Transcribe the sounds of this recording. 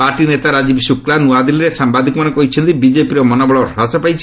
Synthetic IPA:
paɾʈinet̪aɾad͡ʒibsuklanuad̪iliɾesambad̪ʱikɔmanekɔɦit͡ʃʰɔnt̪ibid͡ʒepiɾɔmɔnɔbɔɭɔɾasɔpajt͡ʃʰ

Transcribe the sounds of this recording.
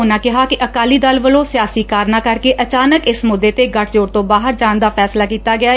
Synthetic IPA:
ʊnãːkɪɦaːkɪʔəkaːliːd̪əlʋəlõːsɪjaːsiːkaːɾnãːkəɾkeːʔət͡ʃaːnəkɪsmʊd̪ːeːt̪eːɡəʈʰd͡ʒoːɾt̪õːbaːɦəɾd͡ʒaːnd̪aːpʰɛːslaːkiːt̪aːɡɪaː

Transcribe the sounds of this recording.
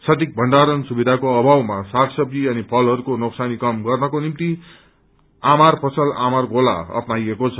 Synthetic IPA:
sʌt̪ik̚bʱʌnɖaɾʌnsubid̪ʱakoʌbʱawmasaksʌpiʌnipʰʌlɦʌɾukonoksanikʌmɡʌrnʌkonimt̪i | amarpʌt͡sʰʌla̰marɡola̰ʌ̰pnajekot͡sʰʌ̥

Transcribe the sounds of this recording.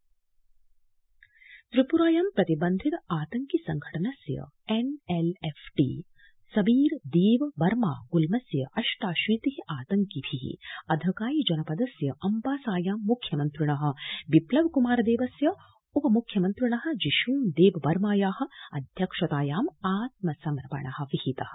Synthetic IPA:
t̪ɾipuɾaːjaːmpɾɐt̪ibɐnd̪ʱit̪aːt̪ɐŋkisɐŋɡʱɐʈɐnɐsjɐ̰ | enelefʰʈḭː | sɐbiːɾd̪eːʋbɐɾma̰ːɡulmɐsjɐʔɐʃʈaːʃʋiːt̪iɦiʔaːt̪ɐŋkibʱiḭɐd̪ʱɐkaːjid͡ʒɐnɐpɐd̪ɐsjɐʔɐmpaːsaːjaːmːukʰjɐmɐnt̪ɾuɳɐɦɐ̆ʋiplɐʋkumaːɾɐd̪eːʋɐsjɐ | upɐmukʰːjɐmɐnt̪ɾuɳɐɦɐ̆d͡ʒiʃuːnd̪eːʋɐbɐɾmaːjaːhɐ̆ɐ̰d̪ʱjɐkʂɐt̪aːjaːmaːt̪̚mɐsɐmɾɐpɐ̰ɳɐhɐ̆ʋihit̪ɐhɐ̥̆

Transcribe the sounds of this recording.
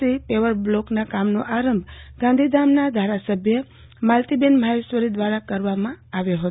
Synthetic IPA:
ipeʋəɾbloknakamnoʔaɾəmbʱɡãnd̪ʱid̪amnad̪ʱaɾasəbʱjə | malt̪ibenmaesʋəɾid̪ʋaɾakəɾʋamãaʋjoɦət̪

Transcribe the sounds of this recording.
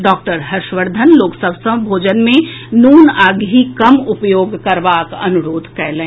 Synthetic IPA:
ɖɔːk̚ʈəɾɦɐɾʃʋəɾd̪ʱənloːksəʋsə̃bʱoːd͡ʒənmẽnuːnaːɡɦikɐmʊpjoːɡkɐɾʋaːkɐ̰nʊɾoːd̪ʱkɛːlẽː

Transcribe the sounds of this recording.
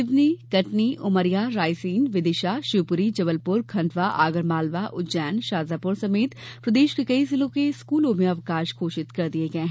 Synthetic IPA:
ɪʋnikɐʈniʔʊməɾijaɾaːɪsiːnʋɪd̪ɪʃaʃuːpʊɾid͡ʒɐbəlpʊɾkʰɐ̃ɳɖʋaʔa̰ːɡəɾmaːlʋaʔʊd͡ʒɛːnʃaːzaːpʊɾsɐmeːt̪pɾɐd̪eːʃkekɐisɪlõkeskuːlõmẽɐʋkaːʃkʰoːʃɪt̪kɐɾd̪ieɡɐeɦɛ̃

